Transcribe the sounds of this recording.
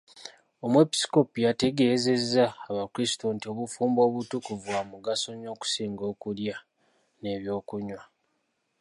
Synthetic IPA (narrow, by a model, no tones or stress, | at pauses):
o̞mwe̞pi̥sko̞pujate̞ɡe̞ːze̞zːaːβakuɾisi̥to̞ntio̞βufuːmbo̞ːβutukuvwamuɡaso̞ɲo̞ːku̥siːŋɡo̞ːkulja | ne̞βjo̞ːkuɲwa